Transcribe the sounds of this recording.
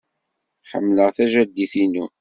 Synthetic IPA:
ħə̰mːləʁθæʒæd̪ːiθinu

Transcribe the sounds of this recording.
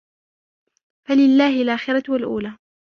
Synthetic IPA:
falɪlːaːhɪlʔaːxɪɾˤɑwalʔṵːlaː

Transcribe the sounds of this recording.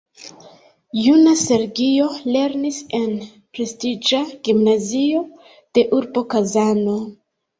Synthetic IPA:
junase̞ɾɡio̞le̞ɾnise̞n | pɾe̞stid͡ʒaɡ̥imnazio̞ | d̥e̞ʔuɾbo̞kazano̞

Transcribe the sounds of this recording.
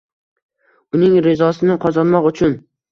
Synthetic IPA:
ʊnɪŋɾɪzɒsɪnɪqʰɒzɒnmɒqʊt͡ʃʰʊn

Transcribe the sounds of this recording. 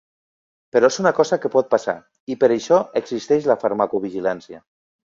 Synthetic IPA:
pəɾɔezunakɔzakəpɔt̪̚pasa̰ | ipəɾeʃɔəɡzist̪ɛʃlafaɾmakuβ̞iʒilansia

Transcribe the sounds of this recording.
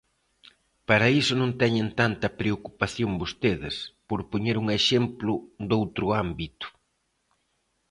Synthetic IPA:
paɾɐisʊnõnt̪ɛɲɪnt̪ant̪ɐpɾeokupaθjoŋbost̪eðɪspoɾpoɲeɾuŋeʃemplʊd̪owt̪ɾʊambit̪ʊ̥

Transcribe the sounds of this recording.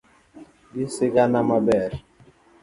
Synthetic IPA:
bisekanamabɛɾ

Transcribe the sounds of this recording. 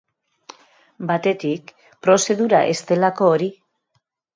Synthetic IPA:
bat̪e̞t̪ik | pɾo̞se̞ðuɾa̰ʔe̞st̪e̞lako̞ːɾi

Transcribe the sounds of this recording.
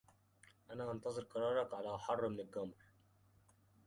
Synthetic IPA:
ʔanaːʔɑnt̪ɑzˤɨɾqɑɾˤɑːɾˤɑkʕalaːħɑrˤːmnɪlɡamɾ

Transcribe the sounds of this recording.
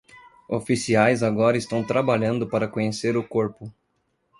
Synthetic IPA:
ofisiajzaɡɔɾɐɪst̪ɐ̃w̃t̪ɾabaʎɐ̃nd̪ʊpaɾɐkõɲeseɾʊkoɾpʊ

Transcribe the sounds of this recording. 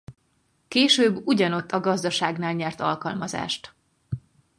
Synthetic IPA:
keːʃøːbːuɟɒno̞t̪ːɒɡɒzd̪ɒʃaːɡnaːlɲɛrt̪ɒ̰lkɒlmɒza̰ːʃt̪

